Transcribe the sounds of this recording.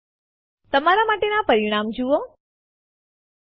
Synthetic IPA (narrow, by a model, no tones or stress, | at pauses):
t̪əmaɾamaːʈenapəɾiɽ̃aːmd͡ʒuʋo